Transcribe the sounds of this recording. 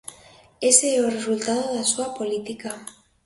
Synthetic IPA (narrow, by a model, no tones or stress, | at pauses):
eseore̞sult̪að̞oðasuapo̞lit̪ika